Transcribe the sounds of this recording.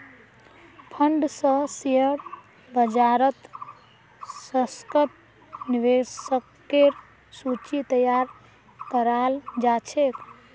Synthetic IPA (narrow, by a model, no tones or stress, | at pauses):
pʰəɳɖsə̃siəɽ | bəd͡ʒaɾət̪ | səskəp̚ | niʋesəkːeɾ | sut͡ʃit̪əjaɾ | kəɾald͡ʒat͡ʃʰek